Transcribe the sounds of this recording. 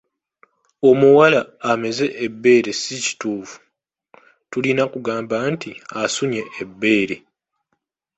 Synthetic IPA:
o̞muwalaːme̞ze̞ʔːbːe̞ːɾe̞sici̥tuːfu̥ | tulinakuɡaːmbantiasuɲe̞ːbːe̞ːɾe̞

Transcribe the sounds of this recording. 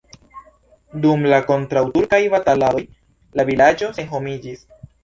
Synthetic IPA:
dumlako̞ntɾawtuɾkajvatalalo̞j | lavilad͡ʒo̞se̞ŋɦo̞mid͡ʒis

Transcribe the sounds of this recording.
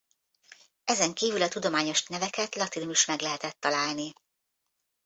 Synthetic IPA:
ɛzɛŋkiːvylɒt̪ud̪o̞maːɲo̞ʃnɛvɛkɛt̪lɒt̪inomiʃmɛɡlɛɦɛt̪ɛt̪ːɒlaːlni

